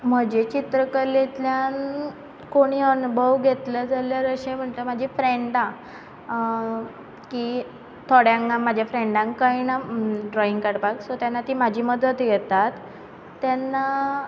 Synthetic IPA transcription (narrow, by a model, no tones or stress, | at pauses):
m̤əd͡ʑet͡ɕit̪ɾəkəlet̪ljan | koɽ̃iːənubʱəʋɡʱet̪ləd͡zaljaɾəɕẽm̤əɳt̪əmad͡ʑʱifɾeɳɖã | ki | t̪ʰoɽjãŋɡamːad͡ʑʱjafɾeɳɖãŋkkəjnaɖɾɔiŋɡkəɽpaksot̪janːat̪iːmad͡ʑʱiːməd̪ʱət̪jɛt̪at̪ː | janːa